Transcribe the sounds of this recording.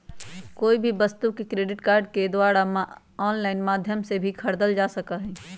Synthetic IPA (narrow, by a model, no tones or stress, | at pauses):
koːibʱibəst̪ukekɾeːɖɪʈkaːɾɖked̪waːɾam | ɔːnlaːɪnmaːd̪ʱjəmsebʱikʰɐɾd̪əld͡ʒaːsəkaɦɛ̃ː